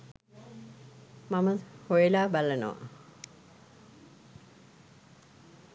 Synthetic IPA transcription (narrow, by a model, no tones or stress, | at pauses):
maməhojelaːbalənə̰ʋa̰